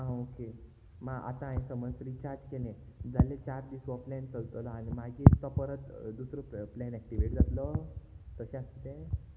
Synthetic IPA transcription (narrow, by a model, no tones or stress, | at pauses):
ãoke | maɡʔa̰t̪ãẽsəmənsɾit͡ɕaɾd͡ʑkelẽd͡zalet͡ɕaɾd̪isʋɔplɛnt͡səlt̪əlɔañimaɡit̪ɔpəɾət̪d̪usɾoplɛ̃nɛk̚ʈiʋeʈd͡zat̪lɔt̪əɕẽast̪it̪ẽ